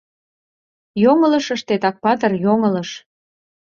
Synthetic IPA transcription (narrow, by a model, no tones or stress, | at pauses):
joŋə̆lɤ̆ʃəʃt̪et̪ɑk̚pɑt̪ərjoŋə̆lɤ̆ʃ